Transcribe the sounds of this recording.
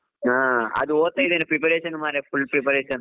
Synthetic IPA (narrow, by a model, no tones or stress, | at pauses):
aːɐ̰ðuoːt̪ːɐjiðenːɐpɾipɐɾeːsɐnmaːɾɐfuɭpɾipɐɾeːsɐn